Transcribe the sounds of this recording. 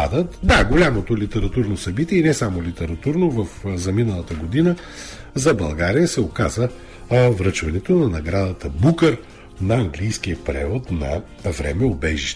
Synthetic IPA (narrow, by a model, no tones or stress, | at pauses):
ad̪ət̪d̪aɡolʲamot̪olit̪ɛɾɐt̪uɾnosɐbit̪iɛinɛsamolit̪ɛɾɐt̪uɾnovəfzɐminəlˠɐt̪əɡod̪inə | zɐbɐlˠɡaɾijəsɛokazə | vɾət͡ʃvɐnɛt̪onɐnɐɡɾad̪ət̪əbukəɾ | nɐːŋɡlijsk̟ijəpɾɛ̰vot̪nɐ̰ | vɾɛ̰mɛobɛʒiʃt̪ɛ